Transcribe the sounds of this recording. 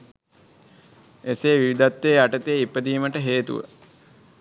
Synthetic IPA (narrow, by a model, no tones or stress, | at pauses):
eseːʋiʋid̪at̪ʋeːaʈət̪eːipəd̪iːməʈəɦeːt̪ṵʋə̰